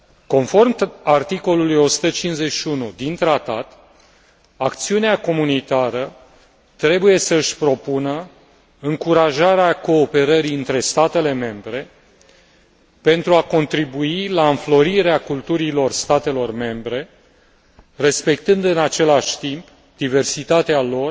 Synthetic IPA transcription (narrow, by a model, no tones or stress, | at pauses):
ko̞nfo̞rmart̪iko̞lulujo̞su̥t̪ət͡ʃinze̞ʃiunud̪int̪ɾat̪at̪ | akt̪siuneako̞munit̪aɾə | t̪ɾe̞buje̞səɨʃʲpɾo̞punə | ɨŋkuɾaʒaɾeako̞ːpe̞ɾəɾiɨnt̪ɾe̞st̪at̪e̞le̞me̞mbɾe̞ | pe̞nt̪ɾuako̞nt̪ɾibuilaɨnflo̞ɾiɾeakult̪uɾilo̞rst̪at̪e̞lo̞rme̞mbɾe̞ | re̞spe̞kt̪ɨnd̪ɨnat͡ʃe̞laʃʲt̪imp | d̪ive̞rsit̪at̪ealo̞r